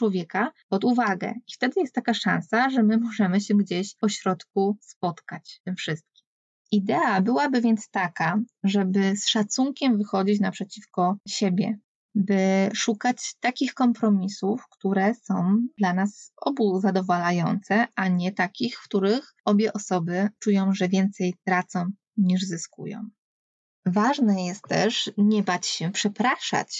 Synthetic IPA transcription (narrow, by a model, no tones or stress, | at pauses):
wɔvʲjɛkapɔd̪uvaɡɛ̰ift̪ɛd̪ɘjɛst̪ːakaʂã̰ñsaʐɛmɘmɔʐɛmɘɕɛɡd͡ʑeɕɔɕɾɔt̪k̚uspɔt̪kat͡ɕt̪ɘmfʂɘst̪̚kʲi̥m | ʔid̪ɛabɘwabɘvʲjɛnt̪st̪akaʐɛbɘsʂat̪suŋkʲɛmvɘxɔd͡ʑit͡ɕnapʂɛt͡ɕifkɔɕɛbʲjɛ̰ | bɘʂukat͡ɕt̪akʲixkɔmpɾɔmʲisufkt̪uɾɛsɔ̃w̃d̪̥lanasɔ̰buzad̪ɔvalajɔnt̪sɛaɲɛt̪akʲixfkt̪uɾɘx | ɔbʲjɛʔɔsɔbɘt͡ʂujɔ̃w̃ʐɛvʲjɛnt̪sɛjt̪ɾat̪sɔ̃w̃ | ɲiʐzɘskṵjɔ̰̃w̃ | vaʐnɛjɛst̪t̪ːɛ̰ʂɲɛbat͡ɕɕɛpʂɛpɾaʂa̰t͡ɕ